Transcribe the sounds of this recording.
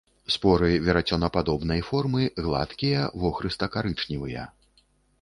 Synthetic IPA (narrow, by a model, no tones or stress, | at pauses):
spɔɾɨvʲɛɾat͡sʲɔnɐpad̪ɔbnɐjfɔrmɨɣlˠa̰t̪kʲijɐvɔxɾɨst̪ɐkaɾɨt͡ʂnʲivɨjɐ̰